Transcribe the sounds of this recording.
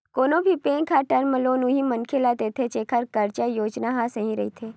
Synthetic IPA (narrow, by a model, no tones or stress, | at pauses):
koːnõbʱipẽːŋkʰaʈəɾməloːnũɦimənkʰelat̪et̪ʰet͡ʃeːkʰəɾkəɾt͡ʃajoːd͡ʒnaɦasɐɦĩɾɐ̰ɦit̪ʰeː